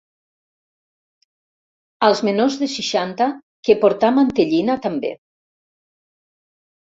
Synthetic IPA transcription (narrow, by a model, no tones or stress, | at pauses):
alˠzmenozðesiʃant̪a | kepoɾt̪amant̪eʎinat̪ambḛ